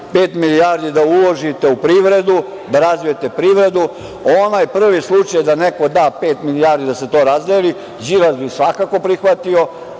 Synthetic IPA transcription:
peːt̪milijaːɾd̪id̪aulo̞ʒit̪e̞upɾiːʋɾe̞d̪u | d̪aɾazujet̪e̞pɾiʋɾe̞d̪u | onajpr̩ʋislˠut͡ʃajd̪aneko̞d̪aːpe̞ːt̪milijaːɾd̪id̪ase̞t̪o̞ːɾazd̪eli | zilazbisʋakako̞pɾixʋat̪io̞

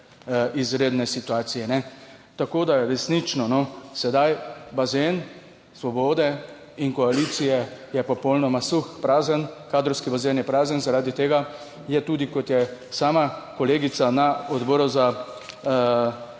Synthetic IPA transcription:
ʔizɾeːd̪nɛsit̪uaːt̪sijɛnɛt̪akoːd̪aɾɛsnit͡ʃnɔnɔsɛd̪ajbazen | sʋɔbɔːd̪ɛ | inkɔaliːt̪sijɛjɛpɔpɔwlnɔmasuxpɾaːzənkaːd̪ɾɔwskibazenjɛpɾaːzənzaɾaːd̪it̪eːɡa | jɛt̪uːd̪ikɔt̪jɛsaːmakɔleːɡit̪sanaɔd̪bɔɾɔza

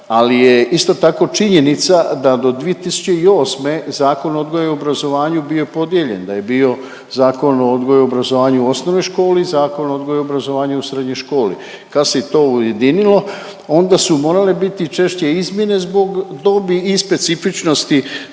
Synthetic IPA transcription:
alijeist̪o̞t̪ako̞t͡ʃiɲe̞nit̪sad̪ad̪o̞d̪ʋie̞t̪isu̥t͡ɕeio̞ːsme̞zaːko̞nod̪ɡojeobɾazo̞ʋaːɲubijopo̞d̪je̞ʎe̞̰nd̪aje̞bio̞ | zaːko̞nood̪ɡojobɾazo̞ʋaːɲuuo̞snoʋnojʃko̞ːlizaːko̞nood̪ɡojobɾazo̞ʋaːɲeusɾe̞d̪ɲojʃko̞ːlḭ | kad̪set̪o̞ːuje̞d̪inilo̞ | o̞nd̪asumo̞ːɾalebit̪it͡ʃe̞ʃt͡ɕe̞izmje̞ne̞zbo̞ɡd̪o̞biːspe̞t̪sifit͡ʃno̞st̪i

